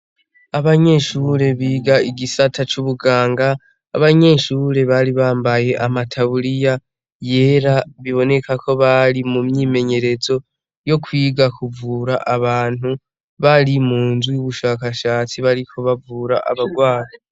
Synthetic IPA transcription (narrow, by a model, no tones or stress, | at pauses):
aβaɲe̞ʃuːɾe̞βiːɡaiɡisatʰat͡ʃuβuɡaːŋɡaː | βaɲe̞ːʃuːɾe̞βaɾiβaːmbaje̞ʔamatʰaβuɾija | je̞ːɾaβiβo̞ne̞kakʰo̞βaɾimumɲiːme̞ɲe̞ɾe̞zo̞ | jo̞kʰwiːɡakuvuːɾaʔaβaːn̥u | βaɾimuːnzwijuβuʃaːkaʃaːt͡siβaɾikʰo̞βavuːɾaʔa̰βaɡwaːɾo